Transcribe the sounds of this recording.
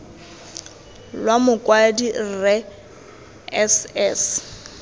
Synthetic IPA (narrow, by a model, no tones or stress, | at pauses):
lwamʊkʼwadirɛ | ɛsɛs